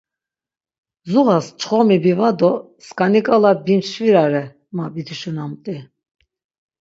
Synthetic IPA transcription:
zuʁast͡ʃʰχɔmibivad̪ɔ | skʼanikʼalabinʃviɾaɾɛ | mabit̪ʰuʃunamt̪ʼi

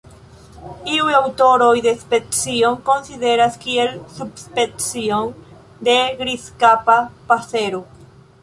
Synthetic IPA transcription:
iuawt̪oɾojðespeksjoŋkonsiðeɾaskielsubspeksjoŋ | d̪eɣɾiskapapaseɾu

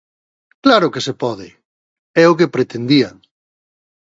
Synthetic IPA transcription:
klaɾʊkesepɔðɪ | ɛʊkepɾet̪end̪iaŋ

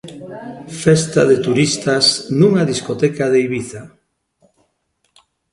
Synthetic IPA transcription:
fest̪a̰ðet̪uɾist̪asnuŋaðiskot̪ɛkaðejβiθa

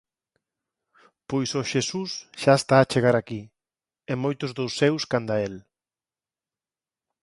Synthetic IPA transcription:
pojsoʃesusʃaest̪aːt͡ʃeɣ̞aɾaki | emojt̪ʊzðowsːewskand̪ael

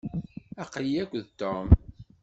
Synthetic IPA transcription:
æqliækʷːðt̪ːom

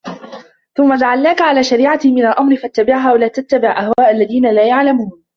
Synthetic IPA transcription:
θʊmːad͡ʒaʕalnaːkaʕalaːʃaɾiːʕamɪnalʔamɾɪfat̪ːabɪʕɦaːwalaːt̪at̪ːabɪʕʔahwaːʔalːaðiːnalaːjaʕlamuːn

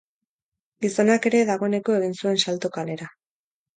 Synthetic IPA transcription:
ɡiso̞nake̞ɾe̞ðaɣ̞o̞e̞ne̞ko̞e̞ɣ̞insue̞nsalt̪okale̞ɾa

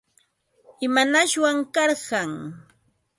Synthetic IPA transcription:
ɪmanaʃwaŋkɑɾɢɑŋ

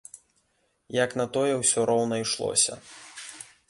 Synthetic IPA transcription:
jɐknɐt̪ɔjɛwsʲɔɾɔwnɐjʂlˠɔ̰sʲɐ̰

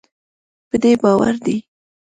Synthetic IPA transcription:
pəd̪ebɑwa̰ɾd̪i

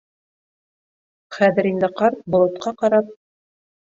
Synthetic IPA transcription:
χæðɘ̆ɾind̪ɘqɑɾt̪̚bŏlˠŏt̪qɑqɑɾɑp̚

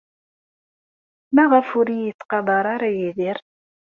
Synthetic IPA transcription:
mæʁəfʊɾijət͡sːqɑd̪ˤɑɾˤaɾajiðiɾ

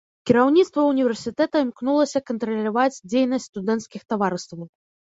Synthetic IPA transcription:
kʲiɾawnʲit̪st̪vɐunʲivʲɛrsʲit̪ɛt̪ɐmknulˠɐsʲɐkɐnt̪ɾɐlʲavad͡zʲd͡zʲejnɐsʲtʲst̪ud̪ɛnt̪skʲixt̪avaɾɨst̪vɐw

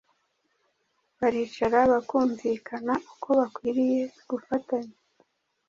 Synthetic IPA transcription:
βaɾiːt͡ʃaɾaβakuːɱvikʰanaʔukʰo̞βakwiːɾije̞ɡufataɲa

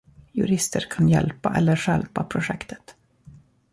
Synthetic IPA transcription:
jɵ̰ɾɪst̪ʰəɾkʰanjɛlpaʔɛlːəɾʂɛlpapʰɾʊʂɛkt̪ʰə̥t̪

